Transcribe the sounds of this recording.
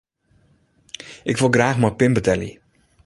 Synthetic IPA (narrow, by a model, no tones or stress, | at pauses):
ʔɪkʋɪlˠɡraːxmapɪmbətɛlḭ